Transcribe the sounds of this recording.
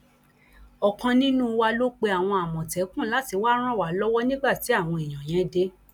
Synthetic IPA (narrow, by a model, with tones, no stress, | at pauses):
ɔ˨kã˧nĩ˦nũ˦˧wa˧lo˦k͡pe˧a˨w̃ɔ̃˧a˨mɔ̃˨tɛ˨˦kũ˦˨la˨˦ti˧waː˦ɾ̃ã˦˨wa˨˦lɔ˦wɔ˦nĩ˦ɡ͡ba˦˨ti˨˦a˦˨w̃ɔ̃˧i˨j̃ã˨j̃ɛ̃˨˦de˧˦